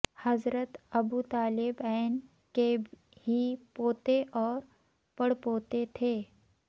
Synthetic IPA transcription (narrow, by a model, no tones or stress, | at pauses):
hɐzɾət̪əbut̪aːlɪbɛn | ke | hipoːt̪eʔɔːɾ | pəɽpoːt̪et̪ʰeː